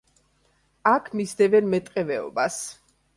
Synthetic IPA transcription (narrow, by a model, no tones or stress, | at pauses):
akʰmisd̪ɛvɛnmɛt̪ʼqʼɛvɛɔ̰bas